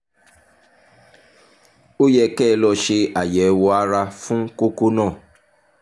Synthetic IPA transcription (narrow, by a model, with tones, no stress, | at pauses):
o˦jɛ˧kɛ˦˨˦lɔ˧ʃe˧a˨jɛ˨˦wɔ˧a˦ɾa˧fũ˦ko˦ko˦nãː˦˨